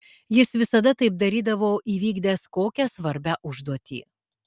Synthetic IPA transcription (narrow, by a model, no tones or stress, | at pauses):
jɪsʋʲɪsɐd̪ɐt̪ɐɪp̚d̪ɐɾʲiːd̪ɐʋoːʔiːʋʲiːɡd̪ʲeːskoːkʲɛsʋɐɾʲbʲæːʔʊʒd̪uɔt̪ʲḭː